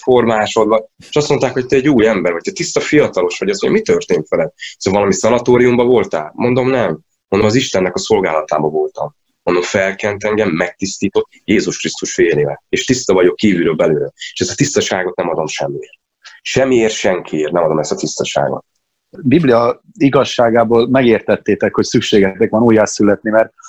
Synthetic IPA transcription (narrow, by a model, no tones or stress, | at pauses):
fo̞rmaːʃo̞d̪vɒeʃɒst̪mo̞nt̪aːkho̞ct̪ɛɛɟuːjɛmbɛrvɒc̚t̪ɛt̪ist̪ɒfijɒt̪ɒlo̞ʃʋɒɟɒsoɲo̰mit̪ørt̪eːnt̪fɛlɛd̪isɛɱvɒlɒmisɒnɒt̪oːɾiumbɒvo̞lt̪a̰ːlmʔo̞nd̪o̞mnɛm | ond̪omɒziʃt̪ɛnːɛkɒso̞lɡaːlɒt̪aːbɒvo̞lt̪ɒm | mond̪o̞ɱfɛlkɛnt̪ɛŋɡɛmːɛk̚t̪ist̪iːt̪o̞k̪ | jeːzuʃkrist̪uʃfeːleːlɛeːʃt̪ist̪ɒvɒɟo̞kːiːvyɾøbɛløːɾɛeːʃɛzɒt̪ist̪ɒʃaːɡo̞t̪nɛmɒd̪o̞mʃɛmːieːrt̪̚ | ʃɛmːieːrt̪ʃɛŋkʰieːrnɛmɒd̪o̞mɛst̪ɒt̪ist̪ɒʃa̰ːɡo̰t̪̚ | biblijɒ | iɡɒʃːaːɡaːboːlmɛɡeːrt̪ɛt̪ːeːt̪ɛkhocsykʃeːɡɛt̪ɛkʋɒnuːjːasylɛt̪nimɛrt̪̚